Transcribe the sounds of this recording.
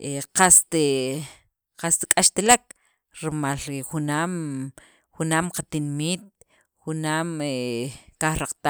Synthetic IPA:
ʔeqast̪e | qast̪kʼaʃt̪elak̚ | ɾimalɾiχunaːm | xunaːmqat̪inmiːt̪̚ | xunaːmekaχɾaqt̪a

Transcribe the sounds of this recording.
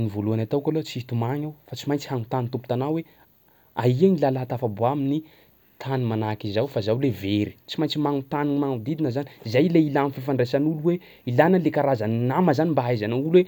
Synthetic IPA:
nivoluanat̪akʲalot͡siit̪umaɲawfat͡simajnt͡sihaŋut̪anint̪upu̥t̪anawe | aiaŋilalaɦat̪afaboamini | t̪ʰanimanakizawfazawleveɾi̥t͡simajɲnt͡simaŋut̪animaŋud̪id̪inəzanizajleilamififaɳɖ͡ʐesanuluwe | ilanəlekaɾazaninaməzanimbaajzanaulwe

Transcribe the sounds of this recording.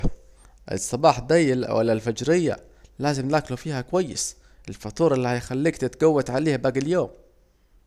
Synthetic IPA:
ʔɪ̰sˤːɑbɑːħd̪ajlwa̰lːalfad͡ʒɾɪjːa̰ | laːzɪmnlaːklufiːhakwajːɪ̰s | ʔɪlfɑt̪ˤuːɾˤɪlːiːhajxalːiːkt̪ɪt̪ɡawːat̪ʕaleːhbaːɡɪljoːm

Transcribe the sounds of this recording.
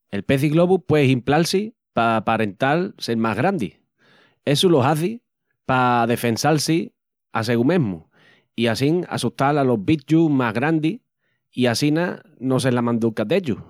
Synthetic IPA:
e̞lpe̞θiɣlo̞βupwe̞ɦimplalsi | papaɾe̞nt̪alselmaɦɣɾand̪ḭ | e̞sulo̞ɦaθi | pað̞e̞fe̞nsalsi | ase̞ɣumẽ̞ɦmṵ | iasiŋa̰suht̪alalo̞ɦβit͡ʃumaɦɣɾand̪i | iasina | no̞selamãnd̪ukad̪eʎu

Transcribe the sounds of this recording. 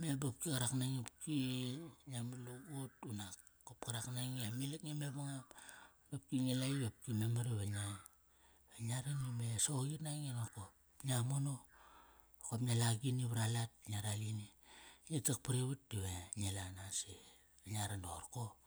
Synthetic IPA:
mebap̚kikaɾaknaŋepkiɲamaloɡotunakː | op̚kaɾaknaŋiamilekŋemeβaŋam | nap̚kiɲelaiβap̚kimemaɾeβeɲaj | βeɲaɾanimesoɡitnaŋenokop | ɲamono | kopɲalaɡiniβaɾalat̚ɲaɾaɡiniɲetak̚paɾeβutdiβeɲelanase | aɲaɾando̰ɾko

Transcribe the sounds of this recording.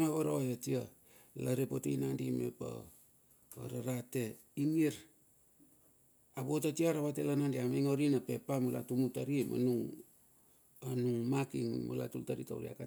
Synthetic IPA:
maβaɾawajatia | laɾepotiinandimḛpa̰ | a̰ɾaɾate̞ | iŋiɾ | abotatiaɾaβatelanandiamaiŋoɾinape̞pamula̰tumutaɾimʔa̰nuŋ | anuŋmakiŋmṵla̰tultaɾita̰uɾia̰ka

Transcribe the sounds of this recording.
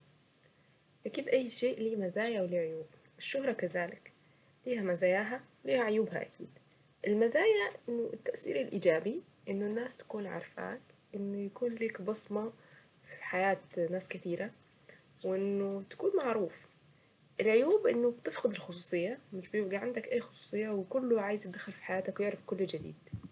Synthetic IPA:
ʔakiːd̪ʔajːʃeːʔliːmazaːjawliːʕojuːb | ɪʃːʊhɾˤɑkazaːlɪk | liːɦæmazaːjaːɦawliːhaʕojuːbha̰ʔa̰kʰḭːd̪ | ʔɪlmazaːjaʔɪnːʊʔɪt̪ːaʔsḭːɾɪlʔiːd͡ʒaːbi | ʔɪnːʊnːaːst̪ḁkuːnʕɑ̰ɾˤfa̰ːtʔɪnːojakuːnliːkbɑsˤmɑ | fi̥ħajaːt̪naːskɪt̪iːɾa | weʔɪnːot̪ḁkuːnmaʕɾuːf | ʔɪlʕojuːbʔɪnːʊbt̪ɪfqɨd̪ɪlxos̬ˤuːsˤɨjːamɪʃbjebɡiʕand̪ækʔaːjxo̥sˤu̥ːsˤɨjːawekʊlːoʕaːjɪzt̪ɪd̪axɪlfi̥ħajaːt̪akwjeʕɾafkʊlːd͡ʒad̪ḭːd̪̥

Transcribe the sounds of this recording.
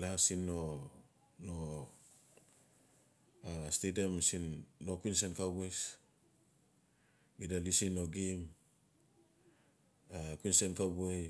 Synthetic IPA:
lasinːo | no | astediamsinːo̞kuinsenkabues | ɡidalisino̞ɡim | akuinsenkabuej

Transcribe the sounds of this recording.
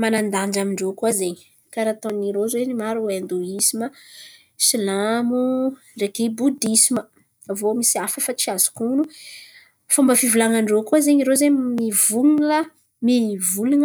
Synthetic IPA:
manand̪aɳd͡ʒamiɳɖ͡ʐokuazeɲi | kaɾat̪oniɾozenimaɾuwand̪uisimə | silamu | rekebud̪isimə | avomisiafəfat͡siazu̥kunu | fumbəfivulaŋaɳɖ͡ʐokuazeɲiɾozeɲmivunlə | mivulunə

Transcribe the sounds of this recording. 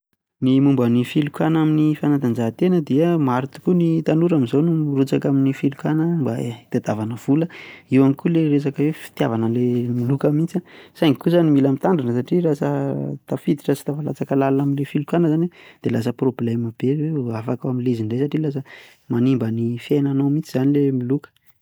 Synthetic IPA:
nimumbanifilukanaminifanat̪and͡ʒaɦt̪enəd̪iəmaɾit̪u̥kunit̪anuɾamizownurut͡sakaminifilukanəmba̰it̪ad̪avanəv̥uləiwanikuleɾes̬akəwefi̥t̪ja̰vanəlemilukəmint͡sasajŋikuzanimilamit̪aɳɖ͡ʐanəs̬aʈ͡ʂirasət̪afid̪i̥ʈ͡ʂəsi̥t̪afala̰t͡sakəlalunaminlefilukanəzaned̪̥elas̬əprobleməb̥eeafakawamileziɳɖ͡ʐesaʈ͡ʂilas̬ə | manimbənifiajnanowmit͡siz̥anilemilukə̥

